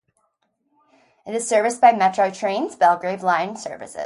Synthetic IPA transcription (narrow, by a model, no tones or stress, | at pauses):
ɨɾɨz̥sɜ˞vɨsb̥aɪmɛt͡ʃɹ̥oʊtʰɹ̥ẽɪ̃nz̥bɛlˠɡɹeɪvlãɪ̃nsɜ̰˞vɨ̰sɪ̰